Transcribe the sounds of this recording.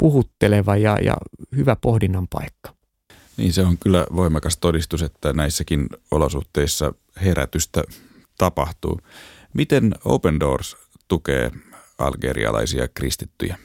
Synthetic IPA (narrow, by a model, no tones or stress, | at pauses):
puhut̪ːeleʋɑjɑ̰jɑ̰hyʋæpohdinːɑmpɑ̰ikːɑ̥ | nḭːnseoŋkylːæ̰ʋo̞imɑkɑst̪odist̪uset̪ːænæisːækino̰losuht̪eisːɑ̰ | heɾæ̰t̪yst̪æ | t̪ɑpɑht̪ṵː | mit̪eno̰upendo̰ːrs | t̪ukḛːɑ̰lɡ̥eɾḭɑ̰lɑ̰isiɑ̰krist̪it̪ːyjæ